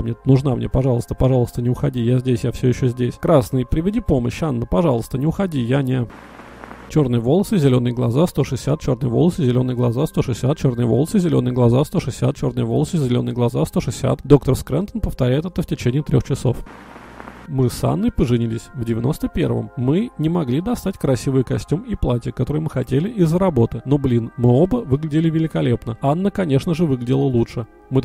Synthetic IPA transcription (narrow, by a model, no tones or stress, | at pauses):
mnʲenʊʐnamnʲepɐʐɑlˠəst̪ə̥pɐʐɑlˠəst̪ənʲɪʊxɐdʲijazʲdʲesʲjafsʲɵjɪɕːozʲdʲesʲkɾasnɨjpɾʲɪvʲɪdʲipo̞məɕːanːəpɐʐɑlˠəst̪ənʲɪʊxɐdʲijanʲe | t͡ɕo̞rnɨjəvo̞lˠəsɨzʲɪlʲo̞nɨjəɡlˠɐzast̪o̞ʂɨsʲːat̪̚t͡ɕo̞rnɨjəvo̞lˠəsɨzʲɪlʲo̞nɨjəɡlˠɐzast̪o̞ʂɨsʲat̪̚t͡ɕo̞rnɨjəvolˠəsɨzʲɪlʲo̞nɨjəɡlˠɐzast̪o̞ʂɨsʲːat̪̚t͡ɕo̞rnɨjəvo̞lˠəsɨzʲɪlʲo̞nɨjəɡlˠɐzast̪o̞ʂɨsʲːa̰t̪d̪o̞k̚t̪ərskɾʲɛnt̪ənpəft̪ɐɾʲæɪt̪ɛt̪əftʲɪt͡ɕenʲɪːt̪ɾʲo̞xt͡ɕɪso̞̰f | mɨsa̰nːɨpəʐɨnʲilʲɪsʲvdʲɪvʲɪno̞̰st̪əpʲe̞̰rvə̰mːɨnʲɪmɐɡlʲid̪ɐst̪atʲkɾɐsʲivɨjkɐsʲtʲumiplˠatʲəkːɐt̪o̞ɾɨjmɨxɐtʲelʲɪʔɪzːəɾɐbo̞t̪ɨno̞blʲinmɨo̞bəvɨɡlʲɪdʲɪlʲɪvʲɪlʲɪkɐlʲepnəanːəkɐnʲe̞ʂnəʐɨvɨɡlʲɪdʲɪlˠəlˠutʂɨ | mɨ